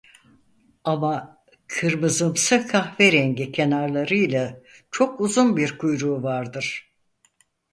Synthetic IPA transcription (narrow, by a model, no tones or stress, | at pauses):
ama | kʰɯɾmɯzɯmsɯkʰaxveɾɛɲɟicʰe̞naɾlˠaɾɯjlʲˠat͡ʃʰo̞kuzunbiɾkʰujɾuːvaɾd̪ɯɾ̥